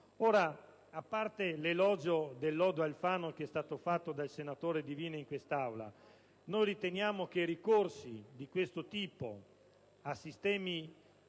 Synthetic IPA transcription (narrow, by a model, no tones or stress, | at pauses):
oːɾa | apːart̪elelɔːd͡ʒod̪elːɔːd̪oalfaːnokeɛst̪aːt̪ofat̪ːod̪alsenat̪oːɾed̪iviːneiŋkwest̪awla̰ | nojɾit̪enjaːmok̟eiɾikorsid̪ikwest̪ot̪iːpo̰ | asːist̪ɛːmi